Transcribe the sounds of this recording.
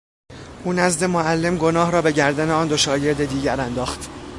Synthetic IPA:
ʔuːnæzd̪e̞moælːe̞mɡo̞nɒːɦɾɒːbe̞ɟæɾd̪æne̞ɒːnd̪o̞ʃɒːɟe̞ɾd̪e̞d̪iːɟæɾænd̪ɒːxt̪

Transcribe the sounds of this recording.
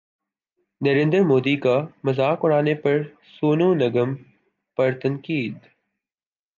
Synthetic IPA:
nɐɾẽːnd̪əɾmoːd̪iːkamɐzaːkʊɽ̃aːnepɐɾ | soːnõːnɐɡəm | pɐɾt̪ɐ̃ŋkiːd̪

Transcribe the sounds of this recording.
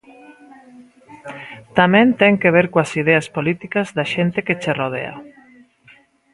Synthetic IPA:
t̪amẽnt̪ɛŋkeβ̞eɾkwasið̞easpolit̪ikazðaʃent̪eket͡ʃeroð̞ḛa̰

